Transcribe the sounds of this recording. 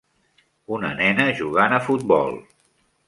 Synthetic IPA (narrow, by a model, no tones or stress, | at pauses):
unə̰nɛnəʒuɣanəfut̪̚bɔ̰lˠ